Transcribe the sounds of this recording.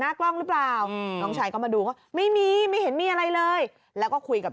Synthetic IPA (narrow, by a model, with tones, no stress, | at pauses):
naː˥˩klɔ˥˩ŋɾɯ˦˥plaː˨˩wnɔː˩˦ŋt͡ɕʰaː˧jkɔː˥˩ma˧duː˧kɔː˥˩ma˥˩jmiː˧ma˥˩jɦe˩˦nmiː˧˥ʔa˧ɾa˧jlɤː˧j | lɛː˦˥wkɔː˥˩kʰu˧jka˨˩